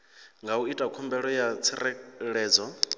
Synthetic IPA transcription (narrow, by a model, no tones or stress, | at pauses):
ŋɡauitʼakʰɔmbɛɺɔjat͡sʰiɾɛɺɛːd͡zɔ